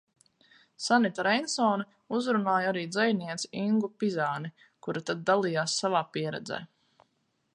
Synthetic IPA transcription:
sanit̪aɾɛnsɔːni | uzɾunaːjaɾiːd̪zɛjniɛt̪si̥iŋɡupizaːni | kuɾat̪ad̪̚d̪alˠiːjaːsːavaːpiɛɾɛ̰d̪zḛː

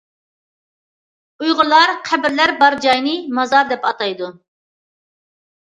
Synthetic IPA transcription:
ujʁʊlˠɑɾqʰæbɪɾlæɾbɑɾd͡ʒɑjnɨmɑzɑɾd̪ɛpɑt̪ɑjd̪u

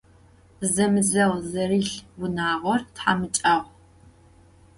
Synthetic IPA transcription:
zɐmɨzɐʁzɐriɬbʊnaːʁʷɔrtħa̰mɨt͡ʃʼɐʁʷ

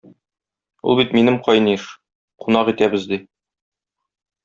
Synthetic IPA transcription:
ṵlˠbit̪minɘmqɒjniʃ | qunɑqit̪æbɘzd̪i

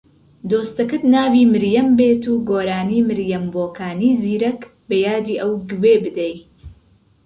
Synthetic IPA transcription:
d̪oːst̪ɐkɨt̪naːwiːmɨɾjɐmbeːt̪uːɡoːɾaːniːmɨɾjɐmboːkʰaːniːziːɾɐk | bɐjaːd̪iːʔɐwɡɨweːbɨd̪ɛj

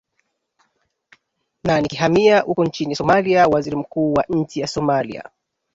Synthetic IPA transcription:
nanikiɦamiahukɔnt͡ʃinisɔmaliawaziɾim̩kuːwaʔɲ̩t͡ʃijasɔmalḭa̰

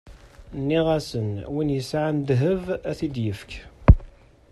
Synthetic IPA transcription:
nːiʁæsənwinjəsʕand̪ɦəvæθid̪jəfk

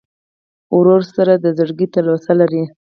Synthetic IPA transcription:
ʊɾoɾsaɾad̪əzəɽɡit̪əlosalaɾi

